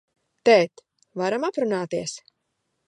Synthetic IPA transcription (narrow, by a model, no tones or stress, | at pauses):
t̪ɛːt̪ | vaɾamapɾunaːt̪iɛs